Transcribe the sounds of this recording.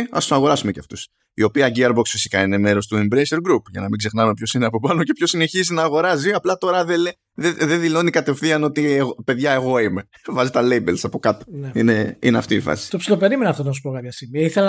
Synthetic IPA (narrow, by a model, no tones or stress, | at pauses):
ɐ̰st̪usɐɣo̞ɾɐsumeceɐft̪us | io̞piɐɟiɐɾboksfisi̥kɐine̞me̞ɾo̞st̪uembɾeseɾɡɾupʝɐnɐmiɡze̞xnɐume̞pço̞sineɐpo̞pɐnoce̞pço̞sine̞çizinɐːɣo̞ɾɐziɐplɐt̪o̞ɾɐðele | ðeðeðilo̞nikɐt̪e̞fθiɐno̞t̪ieɣpe̞ðʝɐe̞ɣo̞ime̞ | vɐzit̪ɐlejbelsɐpo̞kɐt̪o̥neineḭneɐ̰ft̪iifɐ̰si̥t̪opsilope̞ɾimenɐft̪onɐsu̥pokɐt̪ɐsimiiθelɐ